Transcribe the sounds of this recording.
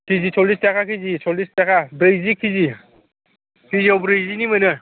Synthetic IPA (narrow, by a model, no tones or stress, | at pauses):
kʰizisʰɔlistakʰakʰizisʰɔlistakʰabɾɯjzikʰizi | kʰiziawbɾɯjzinimɯnɯ